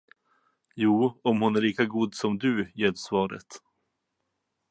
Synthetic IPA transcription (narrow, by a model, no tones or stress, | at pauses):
juːɔmhʊnæɾɭiːkaɡuːd̪sɔmd̪ɵjeːɖsvɑːɾə̰t̪